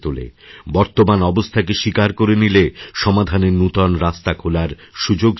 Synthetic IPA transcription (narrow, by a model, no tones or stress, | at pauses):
t̪ulḛbɔɾt̪omanɔbost̪ʰakeʃikaɾkoɾenileʃɔmad̪ʱaneɾnut̪ɔnɾast̪akʰolaɾ | ʃud͡ʑoɡ